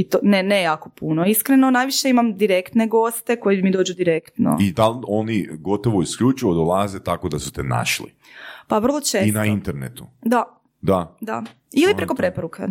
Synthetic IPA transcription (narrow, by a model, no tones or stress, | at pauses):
it̪onenejaːkopunoiskɾenonajʋiʃe̞imamd̪iɾe̞kt̪neɡo̞st̪e̞kojiimid̪o̞ːd͡ʒud̪iɾekt̪no̰id̪alo̞niɡo̞t̪oʋoiskʎut͡ʃujod̪olˠazet̪akod̪asu̥t̪ena̰ʃlḭ | paʋr̩lˠot͡ʃeːsinaint̪eɾnḛt̪ud̪a | d̪ad̪a̰ | ilipɾekopɾe̞poɾukḛ